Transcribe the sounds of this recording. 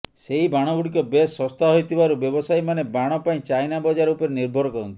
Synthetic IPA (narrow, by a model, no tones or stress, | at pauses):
seɦibaɽ̃ɔɡuɽikɔbesɔst̪aɦojt̪ʰibaɾubjɔbɔsajmanebaɽ̃ɔpaĩt͡ʃajnabɔd͡ʒaɾɔupɔɾeniɾbʱɔɾɔkɔɾɔnt̪i̥